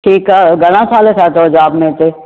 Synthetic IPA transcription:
ʈʰiːkaːɡəɽ̃ãsʰaːlesaːt̪od͡ʒaːbmẽt̪e

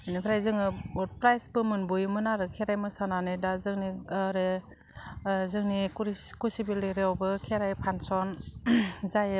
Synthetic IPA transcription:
ɯnipʰɾajzɯŋɯbɔt̚pɾajsbɯmɯnbujumɯnaɾɯkʰeɾajmɯsananɯdazɯŋniɾe | zɯŋnikuɾkusibileɾewbɯkʰeɾajpʰansɔn | zaj

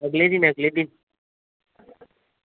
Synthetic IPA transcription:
əɡled̪inəɡled̪in

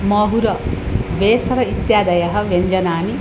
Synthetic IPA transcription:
mɐɦuɾɐ | ʋeːsɐɾɐit̪jaːd̪ɐjɐɦɐ̆ʋeɲd͡ʒɐnaːni

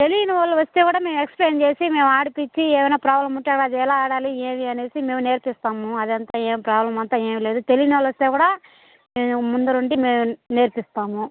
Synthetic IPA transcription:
t̪e̞lijinuʋɐlːɐʋɐst̪e̞ːkuːɽaːme̞ːmueksple̞ːnt͡ʃe̞ːsime̞ːmaːɽupit͡ʃːiɛːʋɐjnaːpɾaːblɐmuʈːakɽaːd͡ʒ̪iɛlaːaːɽaːlieːʋiɐne̞ːsime̞ːmune̞ːɾpist̪aːmuɐd̪ɐnt̪aːeːmipɾaːblɐmɐnt̪aːeːmile̞ːd̪ut̪e̞lijinuʋɐlːɐʋɐst̪eːkuːɽaː | meːumund̪ɐnuɳɖime̞ːmune̞ːɾpist̪aːmu

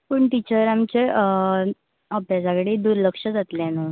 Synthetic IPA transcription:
pəɳʈit͡ɕəɾamt͡ɕe | əpad͡zaɡɽid̪uɾləkʂəd͡zat̪leanu

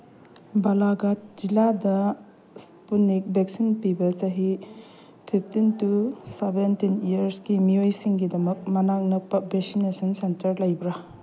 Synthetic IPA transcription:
balaɡat̚d͡ʒiladɐ | spunik̚beksinpibɐt͡ʃɐɦi | pʰip̚ʰtintusebentinijɐɾsɡimijojsiŋɡidɐmɐk̚mɐnaŋnɐpɐp̚beksinesɐnsentɐɾlɐjbɾa

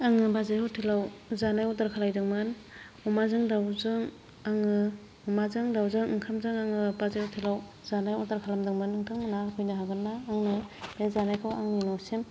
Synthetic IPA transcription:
aŋɯbazehɔtʰelawzanajɔtaɾkʰalajdɯŋmɯn | ɔmazɯŋdawzɯŋ | aŋɯ | ɔmazɯŋdawzɯŋɯŋkʰamzɯŋaŋɯbazehɔtʰelaw | zanajɔtaɾkʰalamdɯŋmɯnɯŋkʰɯŋmɯnakʰɔjnɯɦaɡɯnːaːŋnɯb̥ezanajkʰawa̰ŋninɔsem

